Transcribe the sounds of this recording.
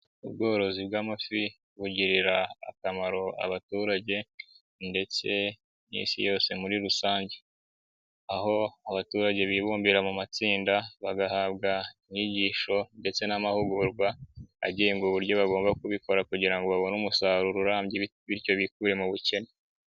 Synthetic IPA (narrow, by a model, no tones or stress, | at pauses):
ubɡo̞ːɾo̞zibɡaːmafi | βuɟiɾiɾa̰ːkamaɾo̞a̰βatuɾaɟe̞ | nde̞t͡se̞ | nḭːnsḭjo̞ːse̞muɾiɾusaːɲɟe̞ | aho̞aβatuɾaɟe̞βiβuːmbiɾamumat͡siːndaβaɡahaːβɡaimɲiɟiːʃo̞nde̞t͡se̞namahuɡuɾɡwaa̰ɟijeŋɡuβuɾɟo̞βaɡo̞ːmbakuβiko̞ɾakuɟiɾaŋɡo̞βaβo̞numusaɾuɾuɾaːmbɟi | βiɾco̞βik̚uɾe̞muβuce̞ne